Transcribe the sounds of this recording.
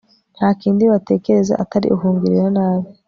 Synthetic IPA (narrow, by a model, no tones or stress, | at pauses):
n̥haːkiːndiβate̞ːke̞ɾe̞za̰ʔataɾḭʔuɦuːŋɡiɾiɾanaːβi